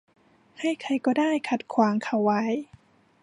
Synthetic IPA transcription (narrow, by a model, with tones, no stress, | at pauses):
hʰa˥˩jkʰa˧jkɔː˧˩daː˥˩jkʰa˧˩t̪̚kʰwaː˨˦ŋkʰa˧˩wːa˦˥j